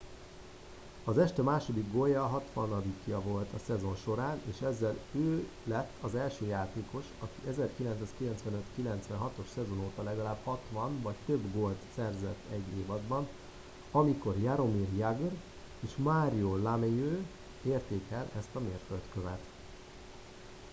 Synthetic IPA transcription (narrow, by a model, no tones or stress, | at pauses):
ɒzɛʃt̪ɛmaːʃo̞d̪iɡɡojɒɦɒt̪ʋɒnɒd̪ikjɒvo̞lt̪ɒsɛzo̞nʃo̞ɾaːneːʃɛzːɛløː | lɛt̪ːɒzɛlʃøːjaːt̪eːko̞ʃɒkiɛzɛrkilɛnt̪saːskilɛnt̪sʋɛnø̞t̪kilɛnt̪sʋɛnɦɒt̪o̞ʃsɛzonoːt̪ɒlɛɡɒlaːb̥hɒt̪ʋɒnvɒct̪øbɡolt̪sɛrzɛt̪ːɛɟːeːvɒd̪bɒn | ɒmiko̞rjaɾo̞mirjaɡr | eːʃmaːɾiolamejøː | eːrt̪eːkɛlɛst̪ɒmeːrfølt̪køvɛt̪